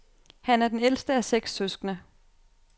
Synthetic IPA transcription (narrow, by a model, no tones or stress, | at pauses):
hænæɐd̥enel̰sd̥əæseɡ̥sːøsɡ̥nə